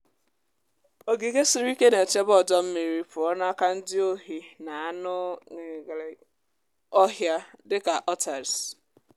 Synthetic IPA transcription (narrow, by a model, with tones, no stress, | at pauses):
o˨ɡi˨ɡe˦si˨ɾu˦i˦ke˦ne˨t͡ʃe˦bɔ˨dɔ˦m̩˦mi˨ɾi˦pʊ˨ɔ˦na˦ka˦n̩˦dɪ˦o˦ɦi˨na˨a˦nʊ˦ŋ˨ɡ | ɔ˦ɦja˦dɪ˦ka˨ʔɔ˦ta˨ɾs